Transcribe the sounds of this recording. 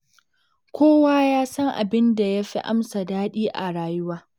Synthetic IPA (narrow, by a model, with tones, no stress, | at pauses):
kʷoː˦waː˦jaː˦sɐ˦ŋʔa̰˨bɪ˦nda˨ja˦ɸi˦ʔa̰˦msa˨daː˦ɗiː˦ʔa̰˨ɽaː˨jʊ˦waː˦